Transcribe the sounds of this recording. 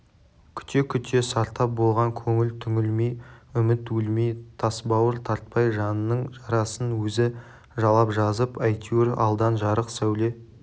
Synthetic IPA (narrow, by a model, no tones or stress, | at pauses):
kʲʰʏ̥t̪e̞kʲʰʏt̪ʰe̞sɑɾt̪ɑp̚bo̞lˠʁɑŋkʲʰɵŋɪlt̪ʰʏŋʲɪlmejʏmɪt̪wɵlmejt̪ʰɑsbɑwəɾt̪ʰɑɾt̪̚pɑjʒɑnənːəɴʒɑɾɑsənwɵzɪ | ʒɑlˠɑpʒɑzəpɑjt̪ʲʰuɾɑ̰lˠd̪ɑnʒɑɾəqsæwle̞